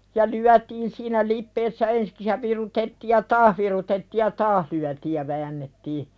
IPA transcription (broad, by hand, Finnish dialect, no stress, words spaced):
jɑ lyætiːn siːnæ lipːeːsːæ ensĭ̥ks jɑ ʋirutetːiːj jɑ tɑːh ʋirutetːiːj jɑ tɑːh lyætiːj jɑ ʋæːnːetːiː